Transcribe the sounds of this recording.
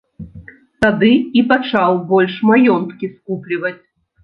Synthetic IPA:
t̪ad̪ɨipat͡ʂawbɔlʲʂmajɔnt̪kʲiskuplʲivɐt͡sʲ

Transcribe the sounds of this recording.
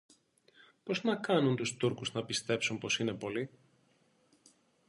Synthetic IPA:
po̞znɐkɐnunt̪ust̪uɾkuznɐpist̪e̞psumpo̞sine̞po̞li

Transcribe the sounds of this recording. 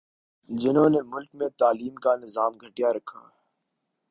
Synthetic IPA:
d͡ʒɪnɦõːneːmʊlkmẽːt̪aːliːmkaːnɪzaːmɡʱəʈijaːɾəkʰa̰ː

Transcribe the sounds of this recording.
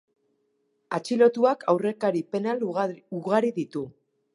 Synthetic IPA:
at͡ʃilo̞t̪uakʰawre̞kaɾipe̞naluɣaɾiðit̪u

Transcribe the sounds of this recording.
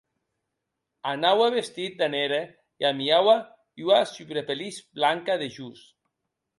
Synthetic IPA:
anawaβest̪it̪̚d̪aneɾe | jamiawa | uasyβɾepelisblaŋkaðeʒus

